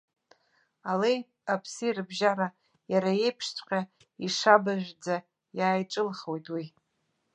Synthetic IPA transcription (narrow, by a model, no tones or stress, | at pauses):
alej | apʰsirɨbʒaɾa | jaɾae̞jpʰʂtʰʼqʲʼa | iʂabaʒᶣʷd͡za | jaːjʈ͡ʂʼɨlχwojtʼwi